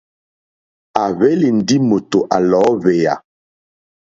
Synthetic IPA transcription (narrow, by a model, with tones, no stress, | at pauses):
a˨βɛ˦li˨n̩˨di˦mo˨to˨ʔa˨lɔː˨˦βe˨ja̰˨